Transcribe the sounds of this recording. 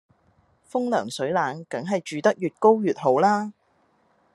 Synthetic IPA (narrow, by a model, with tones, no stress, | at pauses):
fʊ˥ŋlœː˨˩ŋsɵ˨˥ɥlaː˨˥nkɐ˨˥ŋɦɐ˨jt͡ʃyː˨t̪ɐ˥k̚jyː˨t̚ko˥wjyː˨t̚ho˨˥wlaː˥